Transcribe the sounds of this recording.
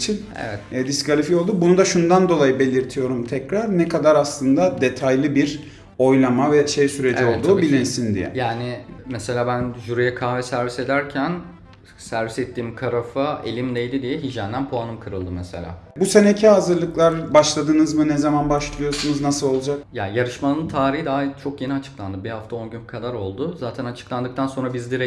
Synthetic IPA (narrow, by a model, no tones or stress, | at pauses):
t͡ʃʰin | ḛvɛt̪ːd̪iskalʲifio̞lˠd̪ubunud̪aʃund̪and̪o̞lˠajɯbe̞lʲiɾt̪ʰijo̞ɾumt̪ʰɛcɾaɾnɛkad̪aɾaslˠɯnd̪ad̪e̞t̪ʰajlʲˠɯbiɾ | o̞jlˠamavɛʃe̞jsyɾe̞iolˠd̪uːbilʲinsind̪ḭjɛ̰jaːnɪmese̞lʲaːbænʒuɾijɛkʰaːvɛsæɾvise̞d̪æɾcʰæn | sæɾvisɛt̪ʰːiːmkʰaɾafae̞̰lʲimd̪ʲejd̪ʲid̪ijɛɦid͡ʒænd̪ænpʰoanɯmkʰɯɾɯlˠd̪ɯmese̞̰lʲa̰ːbusenecʰiazɯɾlˠɯklˠaɾbaʃlˠad̪ɯnɯzmɯnɛzamanbaʃlˠɯjosunuznasɯlˠo̞lˠud͡ʒak̚jajaɾɯʃmanɯnt̪ʰaːɾiɦid̪aɦat͡ʃʰo̞kje̞niat͡ʃʰɯ̥klˠand̪ɯbihaft̪ʰao̞nɟynkʰad̪aɾo̞lˠd̪ʊzaːt̪ʰænat͡ʃʰɯ̥klˠand̪ɯk̚t̪ʰanso̞nɾabizd̪iɾɛ